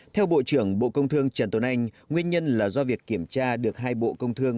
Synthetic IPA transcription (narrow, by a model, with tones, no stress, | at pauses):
t̪ʰɛ˧wɓo̰˧˨t͡ɕɨ˧˩əŋɓo̰˧˨kə˧wŋ͡mt̪ʰɨ˧əŋt͡ɕə˨˩nt̪o˨˦nʔa˧jŋ̟ | ŋwi˧ənɲə˧nlaː˨˩zɔ˧vi˨˩əkːi˧˩əmt͡ɕaː˧ɗɨ˨˩ək̚ɦaː˧jɓo̰˧˨kə˧wŋ͡mt̪ʰɨ˧əŋ